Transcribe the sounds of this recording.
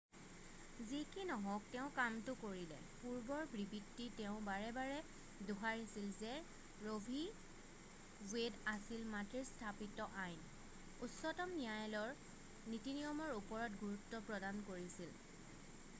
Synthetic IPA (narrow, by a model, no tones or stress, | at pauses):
zikinɔɦɔ̃k̚tɛʊ̃kamtʊkoɹilɛ̰ | puɹbɔɹbɹibitːitɛʊ̃baɹɛbaɹɛ | duɦaɹisilzɛ | ɹobʱi | wedasilmatɹistʰapitɔʔajn | utsɔtɔmnijajlɔɹ | nitinijɔmɔɹupɔɹɔtɡuɹutːɔpɹɔdankoɹisil